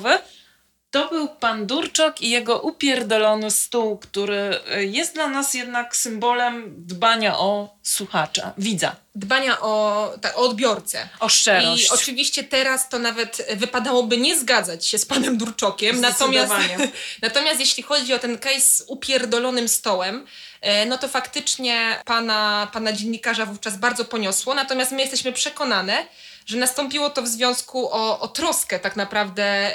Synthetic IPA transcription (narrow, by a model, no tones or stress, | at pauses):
vɘ | t̪ɔbɘwpand̪uɾt͡ʂɔkijɛɡɔʔupʲjɛɾd̪ɔlɔnɘst̪uwkt̪uɾɘjɛst̪d̪lanasjɛd̪naksɘmbɔlɛmd̪baɲaʔɔswuxat͡ʂa̰vʲid̪za̰ | d̪baɲaʔɔt̪akɔːd̪bʲjɔɾt̪sɛ̰ɔʂt͡ʂɛɾɔɕɔt͡ʂɘvʲiɕt͡ɕɛt̪ɛɾast̪ɔnavɛt̪vɘpad̪awɔbɘɲɛzɡad̪zat͡ɕɕɛspanɛmd̪uɾt͡ʂɔkʲɛmnat̪ɔmʲjasaɲɛnat̪ɔmʲjast̪jeɕlʲixɔd͡ʑiɔt̪ɛnkɛj̪zupʲjɛɾd̪ɔlɔnɘmst̪ɔwɛm | nɔt̪ɔfakt̪ɘt͡ʂɲɛpanapanad͡ʑɛnːikaʐavuft͡ʂazbaɾd̪zɔpɔɲɔswɔnat̪ɔmʲjast̪mɘjɛst̪ɛɕmɘpʂɛkɔnanɛ | ʐɛnast̪ɔmpʲiwɔt̪ɔvzvʲjɔ̃w̃skuʔɔʔːt̪ɾɔskɛt̪aknapɾavd̪ɛ